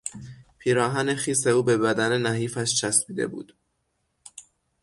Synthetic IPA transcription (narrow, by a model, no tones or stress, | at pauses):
pʰiːɾɒːɦæne̞xiːse̞uːbe̞bæd̪æne̞næɦiːfæʃt͡ʃʰæsbiːd̪ḛbṵːd̪̥